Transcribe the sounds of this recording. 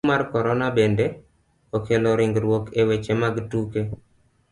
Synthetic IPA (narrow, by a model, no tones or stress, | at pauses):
markɔɾɔnabendɛ | okeloɾɪŋɡɾwokewet͡ʃemaɡtuke